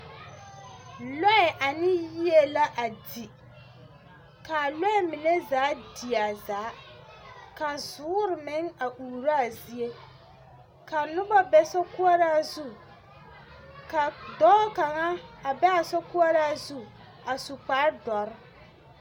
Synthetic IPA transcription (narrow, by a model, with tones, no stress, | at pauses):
lɔ˦ɛ˨ʔa˨nɪ˦ji˦e˦la˦ʔa˨di˨ | ka˨lɔ˦ɛ˦mɪ˨ne˦zaː˨˦di˨a˨zaː˨˦ | ka˨zʊː˨˦ɾɪ˨mɪ˦ŋa˨ʔuː˨ɾa˦a˨zi˦e˦ | ka˨nʊ˦ba˦bɛ˨sɔ˦ku˦a˦ɾaː˦zu˦ | ka˨dɔː˦ka˨ŋa˦a˨bɛ˦a˨sɔ˦ku˦a˦ɾaː˦zu˦ | a˨sʊ˨k͡pa˦ɾdɔ˨ɾɪ˦